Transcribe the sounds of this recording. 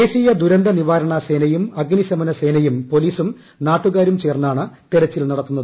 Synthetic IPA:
eːɕijɐd̪uɾɐnd̪ɐniʋaːɾɐɳɐseːnɐjumɐɡnisɐmɐnɐse̞ːnɐjumpo̞liːsum | naːʈːuɣaːɾumt͡ɕeːrnːaːɳɨt̪eɾɐt͡ɕːilnɐɽɐt̪ːunːɐðɨ

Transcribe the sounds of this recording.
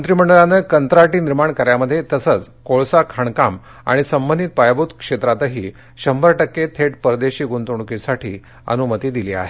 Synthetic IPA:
ənt̪ɾiməɳɖəɭanəkənt̪ɾaʈiːniɾmaɳkəɾjaməd̪ʱːjet̪əsət͡s | koɭsakʰəɳkam | a̰ɽ̃isəmbənd̪ʱit̪̚pajbut̪kʂet̪ɾat̪əɦiː | ɕəmbəɾʈəkːet̪ʰeʈ̚pəɾd̪eɕiːɡunt̪uɳ̃kisaʈʰiː | ə̰numət̪iːd̪ilia̰ɦe

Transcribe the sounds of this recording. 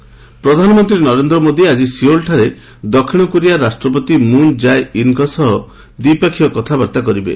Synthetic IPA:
pɾɔd̪ʱanɔmɔnt̪ɾinɔɾend̪ɾɔmod̪iad͡ʒisiolʈʰaɾe | d̪ɔkʰiɽ̃ɔkuɾiaɾasʈɾɔpɔt̪imund͡ʒajinkɔsɔɦɔ | d̪ipakʰijɔkɔt̪ʰabaɾt̪akɔɾibḛ

